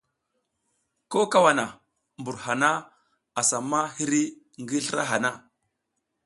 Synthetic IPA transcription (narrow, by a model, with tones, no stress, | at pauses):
ko˦ka˦wa˨na˨ | mbu˨ɾha˨na˦ | a˨sa˨mːa˦hi˦ɾi˦ | ŋɡi˦ɬə˦ɾa̰˦ɦa˨na˦˨